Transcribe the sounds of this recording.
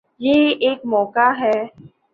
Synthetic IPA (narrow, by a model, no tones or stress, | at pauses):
jeːeːkmɔːkaɦɛː